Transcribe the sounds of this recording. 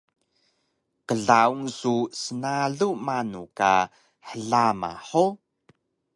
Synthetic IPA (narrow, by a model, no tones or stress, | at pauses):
qəɮauŋsusənaɮumanuka̰ | ħəɮama̰ħo